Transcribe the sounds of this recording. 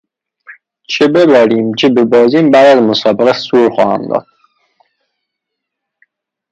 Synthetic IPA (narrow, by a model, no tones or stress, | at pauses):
t͡ʃʰebebæɾiːmt͡ʃʰebebɒːziːmbæːd̪æzmosɒːbeɣæsuːɾxɒ̰ːhæ̰md̪ɒ̰ːd̪̥̚